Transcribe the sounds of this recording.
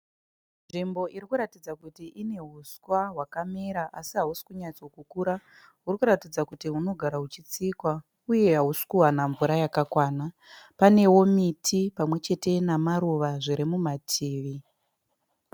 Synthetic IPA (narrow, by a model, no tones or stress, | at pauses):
nʐimbo̞ʔiɾikuɾatid͡zakutiʔine̞ɦuskwaɦwakameɾaʔasiɦausi̥kuɲat͡sokukuɾa | ɦurikuɾatid͡zakutiɦuno̞ɡʱaɾaɦut͡ʃit͡sikwa | uje̞ɦausi̥kuwanaɱvuɾajakakwaːna | pane̞wo̞mitʰipamwe̞t͡ʃe̞te̞namaɾuʋaʐiɾimumatʰiːʋi